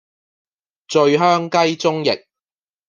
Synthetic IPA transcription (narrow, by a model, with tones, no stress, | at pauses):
t͡sɵ˧ɥɦœː˥ŋkɐ˥jt͡sʊ˥ŋjɪ̰˨k̚